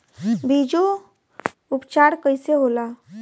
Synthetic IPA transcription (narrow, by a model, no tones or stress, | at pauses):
bʱid͡ʒo | upt͡ʃaːɾkəɪseɦola